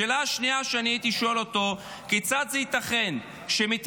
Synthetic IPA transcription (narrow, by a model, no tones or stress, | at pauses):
eːlaaʃniaʃeaniait̪iʃo̞lo̞t̪o̞ | ket͡sad̪zeit̪aχe̞n | ʃemit̪